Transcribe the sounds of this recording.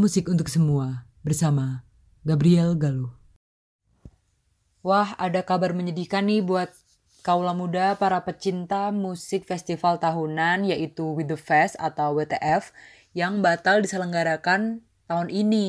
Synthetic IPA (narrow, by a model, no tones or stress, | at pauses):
musɪkunt̪̬ʊk̚səmuabərsama | ɡabɾiɛlɡalu | wahadakabarməɲədikanːɪbuat̪̚ | kaulamudapaɾapət͡ʃint̪amusɪk̚fɛst̪ifalt̪aɦunanjaʔit̪uwidəfɛsa̰t̪awbet̪eʔɛf | jaŋbat̪aldisələŋɡaɾakan | t̪aɦunʔini